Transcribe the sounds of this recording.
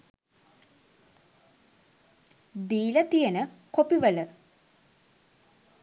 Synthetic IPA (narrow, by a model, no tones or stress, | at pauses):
d̪iːlət̪ijənəkopiʋələ